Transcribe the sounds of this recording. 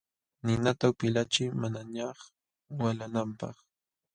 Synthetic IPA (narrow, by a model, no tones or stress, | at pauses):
nɪnat̪aʊpɪlat͡ʃɪjmanaɲɑχ | walanampɑ̰χ